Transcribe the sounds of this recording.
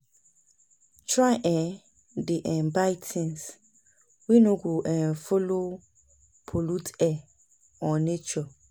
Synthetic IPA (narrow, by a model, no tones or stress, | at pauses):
t͡ʃʰɾaʔɛ | diʔɛ̃mbaɪtʰɪ̃ns | winũɡoʔɛ̃nfolo | pʰolutʰɛ | ɔ̃net͡ʃɔ